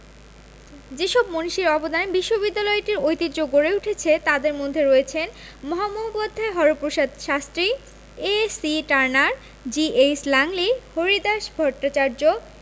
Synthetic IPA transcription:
d͡ʑeʃɔbmoniʃiɾɔbod̪anebiʃːobid̪ːalɔeʈiɾojt̪it̪ːd͡ʑoɡːoɾeuʈʰet͡ɕʰet̪ad̪eɾmod̪ʱːeɾɔet͡ɕʰen | mɔɦamoɦobbod̪ʱːaeɦɔɾopɾoʃad̪ʃast̪ɾi | esiʈaɾnaɾ | d͡ʑieslaŋlihoɾid̪aʃbʱɔʈːat͡ɕaɾd͡ʑo

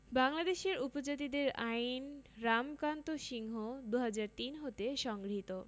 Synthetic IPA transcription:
baŋlad̪eʃeɾupod͡ʑat̪̬id̪eɾajnɾamkant̪oʃiŋɦod̪uɦad͡ʑaɾt̪inɦot̪eʃɔŋɡɾɦit̪o

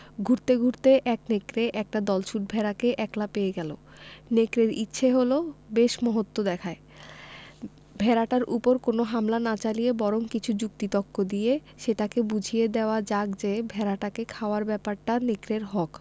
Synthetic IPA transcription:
ɡʱuɾt̪eɡʱuɾt̪eʔɛk̚nekɾeʔɛk̚ʈad̪ɔlʃuʈ̚bʱɛɾakeʔɛklapejeɡɛlo̰ | nekɾeɾḭtːɕʰeɦolobeʃmɔɦot̪ːod̪ɛkʰae | bʱɛɾaʈaɾʔṵpoɾkonoɦamlanat͡ɕalijebɔɾoŋkit͡ɕʰud͡ʑuk̚t̪it̪ɔkʰːod̪ije | ʃeʈakebud͡ʑʱied̪eoad͡ʑaɡd͡ʑebʱɛɾaʈakekʰaoaɾbɛpaɾʈanekɾeɾɦɔk

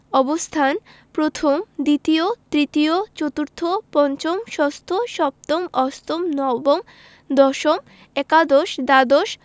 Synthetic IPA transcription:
ɔbost̪ʰan | pɾot̪ʰomd̪it̪iot̪ɾit̪iot͡ɕot̪uɾt̪ʰopɔnt͡ɕomʃɔst̪ʰoʃɔp̚t̪omɔst̪omnɔbom | d̪ɔʃom | ɛkad̪oʃd̪ad̪oʃ

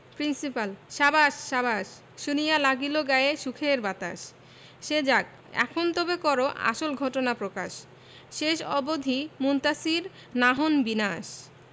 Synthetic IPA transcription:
pɾinsipalʃabaʃːabaʃː | unijalaɡiloɡaeʃukʰeɾbat̪a̰ʃ | ʃed͡ʑak̚ | ɛ̰kʰont̪obekɔɾoʔa̰ʃolɡʱɔʈonapɾoka̰ʃ | ʃeʃɔ̰bod̪ʱimunt̪asiɾ | naɦonbinaʃ

